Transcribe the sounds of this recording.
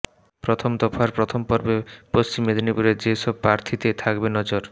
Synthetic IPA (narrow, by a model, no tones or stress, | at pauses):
pɾot̪ʰomd̪ɔfaɾpɾot̪ʰompɔɾbepost͡ɕimed̪ʱonipuɾeɾd͡ʑeʃɔb̚pɾaɾt̪ʰit̪et̪ʰakbenɔd͡ʑoɾ